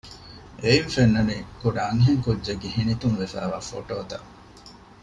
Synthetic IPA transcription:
einfenːɐnikuɖɐɐŋɦeŋkudːd͡ʒeɡiɦinit̪uŋʋefæ̰ːʋaːfo̰ʈoːt̪ɐ̰ʔ

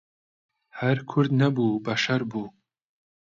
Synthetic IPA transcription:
hɐɾkʰʊɾd̪nɐbuːbɐʃɐɾbuː

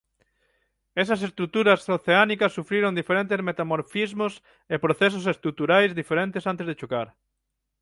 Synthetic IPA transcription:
esɐs̬est̪ɾut̪uɾɐsoθeanikɐsːufɾiɾõŋd̪ifeɾẽnt̪ezmet̪amoɾfizmos | epɾoθes̬osest̪ɾut̪uɾajzðifeɾent̪esant̪ezðet͡ʃokaɾ

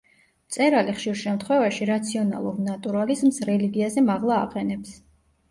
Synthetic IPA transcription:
mt̪sʼɛɾaliχʃiɾʃɛmt̪ʰχwɛvaʃiɾat̪sʰiɔna̰lˠuɾnat̪ʼuɾalizmsɾɛliɡiazɛmaʁlˠaːqʼɛnɛps

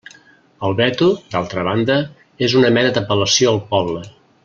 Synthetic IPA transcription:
əlˠβɛt̪ud̪alˠt̪ɾəβ̞and̪ə | ezunəmɛnəd̪əpələsioəlˠpɔβlə

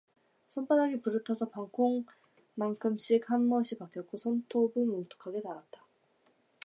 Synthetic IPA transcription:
sʰʌnpʰadaɡipuɾɯtʰʌsʰʌpaŋkʰoŋ | maŋkʰɯmɕ͈ikhanmʌɕʰipak͈jʌt̚k̚k͈osʰontʰobɯmuntʰɯ̥kʰaɡe̞taɾat̚t͈ḁ

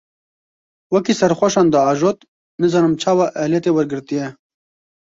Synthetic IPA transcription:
wɛkiːsɛɾxʷɛʃɑːnd̪ɑɑːʒoːt̪ | nɨzɑːnɨmt͡ʃʰɑːwɑːʔɛhljɛt̪eːwɛɾɡɨɾt̪ijɛ

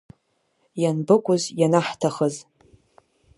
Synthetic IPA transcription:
janbɨkʷʼʊzjanaħtʰaχəz

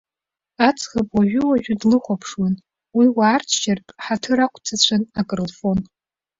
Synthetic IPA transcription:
at͡sʰʼχapwaʒʷᶣʏwaʒᶣʊdlɨχʷapʰʂwan | wiwaːrtʰt͡ʃartʼħatʰɨɾakʷʰʼt͡sʰat͡ɕʷʰanakʼrlfo̞n

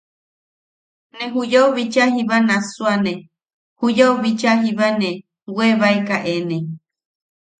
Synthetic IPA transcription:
nẽɦujawβit͡ʃaɦiβanãsuanẽ | hujauβit͡ʃaɦiβanẽ | weβaekaʔenẽ

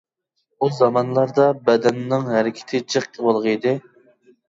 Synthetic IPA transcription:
uzɑmɑnlˠɑɾd̪ɑbɛd̪ɛnːɪŋɦæɾɪkʲʰɪ̥t̪ʰɪt͡ʃʰɨχʲʰəwolˠʁid̪ɪ

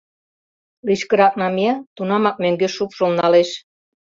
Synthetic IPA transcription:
liʃkə̆ɾɑk̚nɑmeɑt̪unɑmɑk̚møŋɡeʃupʃolnɑleʃ

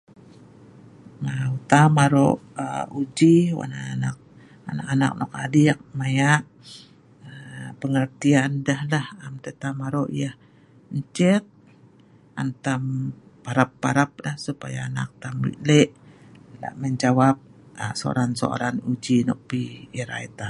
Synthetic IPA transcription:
ŋaut̪amaɾoʔud͡ʒiwa̰naana̰k̚ | a̰nakana̰k̚nɔk̚adiak̚majaʔ | əpəŋərt̪iandahlahamt̪et̪amaɾoʔjah | ɲt͡ʃɛt̪̚ | ʔant̪am | paɾapːaɾap̚lahsupajaːna̰k̚t̪amḭʔlɛʔ | la̰ʔməɲd͡ʒawap̚ | asoo̰ɾanso̰a̰ɾanud͡ʒinɔ̰ʔ̚piːɾa̰it̪a

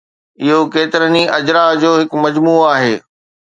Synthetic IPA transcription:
ɪɦokeːt̪ɪɾəniʔɐd͡ʑɾaɦd͡ʑoːɦɪkmɐd͡ʑmuːaːɦeː

